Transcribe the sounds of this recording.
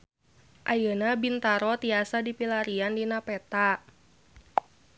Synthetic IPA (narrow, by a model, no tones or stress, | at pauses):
ʔajənabint̪aɾɔt̪iasadipilaɾiandinapɛt̪a